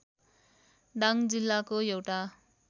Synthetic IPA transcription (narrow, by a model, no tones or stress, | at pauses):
ɖaŋd͡zilːakojowʈa